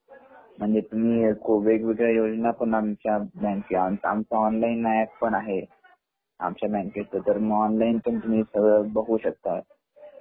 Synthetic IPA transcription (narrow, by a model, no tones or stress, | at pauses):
m̤əɳd͡zet̪um̤iːkoʋekʋiɡɾajod͡znapəɳamt͡ɕjabænkiama̰mt͡saɔnlainːajak̚pəɳaɦe | a̰mt͡ɕjabæ̃nkest̪ot̪əɾmɔnlainpəɳt̪um̤iːsəɡɭəbəɦuːɕək̚t̪at̪̚